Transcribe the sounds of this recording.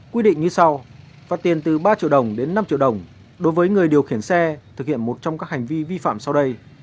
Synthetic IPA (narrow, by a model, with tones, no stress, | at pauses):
kwi˧ɗḭ̈˧˨ŋ̟ɲɨ˧sa˧w | vaː˨˩t̪i˨˩ənt̪ɨ˨˩ɓaː˧t͡ɕḭ˧əwɗə˨˩wŋ͡mɗe˨˦nːa˧mt͡ɕḭ˧˨əwɗə˨˩wŋ͡m | ɗo˨˦jvəː˨˦jŋɨ˨˩əjɗi˨˩əwxi˧˩ənsɛ˧t̪ʰɨ˨k̚hḭ˧˨ənmo˨˩t̚t͡ɕɔ˧ŋ͡mkaː˦˥k̚ha˨˩ŋ̟vi˧vi˧fa̰ː˧˨msa˧wɗə˧j